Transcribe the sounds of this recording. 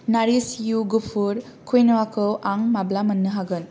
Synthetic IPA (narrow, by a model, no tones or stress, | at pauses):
naɾisjuɡupʰuɾ | kʰujnɐwakɯwʔaŋmablamɐnːɯɦaɡɯn